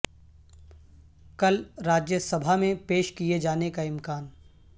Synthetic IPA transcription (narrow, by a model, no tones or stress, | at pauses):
kɐlɾaːd͡ʒjəsɐbʱamẽpeːʃkied͡ʒaːnekaɪ̃mkaːn